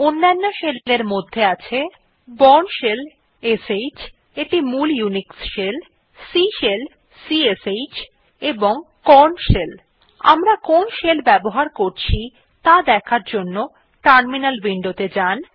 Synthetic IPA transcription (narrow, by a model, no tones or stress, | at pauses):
onːanːoʃelleɾmod̪ʱːeat͡ɕʰe | bɔnʃel | esejt͡ɕ | eʈimuljuniksʃel | siʃel | siesejt͡ɕ | eboŋkɔnʃel | a̰mɾakonʃelbɛboɦaɾkoɾt͡ɕʰi | t̪ad̪ɛkʰaɾd͡ʑonːo | ʈaɾminalbiɳɖot̪ed͡ʑan